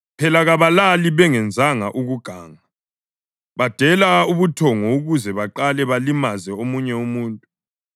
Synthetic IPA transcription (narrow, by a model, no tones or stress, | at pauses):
pʰɛlaɣaβalaliβɛŋɛnd͡zʱaŋaʔuɣuɡ̥ʱaːŋa | βad̥ʱɛlauβutʰɔŋɔuɣuzɛβaǃalɛβalimazɛomuɲɛumuːntʼu